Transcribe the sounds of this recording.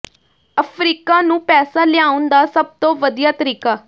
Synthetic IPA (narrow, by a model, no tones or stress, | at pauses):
əpʰɾiːkaːnũːpɛːsaːlɪaːʊnd̪aːsəb̚t̪õːʋəd̪ijaːt̪əɾiːkaː